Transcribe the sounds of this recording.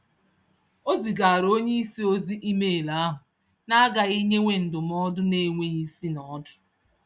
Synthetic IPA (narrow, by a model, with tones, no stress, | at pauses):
o˦zi˨ɡa˨a˨ɾo˦ɲe˦i˦si˦o˦zi˦ʔi˦me˦˨la˦a˦ɦʊ˨ | na˦ɡa˨i˦ɲe˦ŋʷe˨n̩˨dʊ˨mɔ˦dʊ˦ne˦˨ŋʷe˦ɲi˦si˦nɔ˦dʊ̥˨